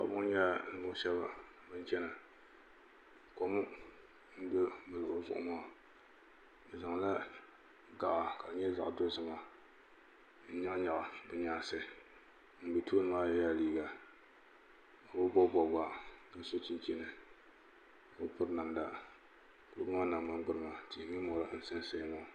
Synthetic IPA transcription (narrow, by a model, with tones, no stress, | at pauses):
ka̰˨˦bʊ˦ŋ˦ɲa˦˨n˨bʊ˦ʃɛ˦ba˦ | bɨ˦n˦t͡ʃɛ˦na˨ | ko˦mʊ˦ | n̩˦dʊ˦mɨ˨lɨ˨ʔʊ˦zʊ̰˨ʔʊ̰˦maː˦˨ | ɨ˨za˨ŋ˨la˦ | ɡa˨ʔa˨ka˨ɲɛ˦za̰˨ʔdo˦zɨ˨ma˨ | n̩˦ɲa˦ŋ˦ɲa˨ʔa˨bɨ˨ɲaː˦˨sɨ˦ | n̩˨bi˨tu˦nɨ˨˦ma˦ja˦ja˦˨liː˦ɡa˨ | a˨bʊ˦bɔ˦bɔ˨ba˦kɨ˦so˦t͡ʃɪ˦nt͡ʃɛ˦nɨ˨ | ko˦pʊ˦ɾna˨mda˦ | ko˨˦bʊ˦ŋa˦na˨a˦nɡ͡bɨ˦ɾɨ˦ma˨ti˨mi˦mɔ˨ɾa˦n̩˨˦sɨ˦nsa˦jma˨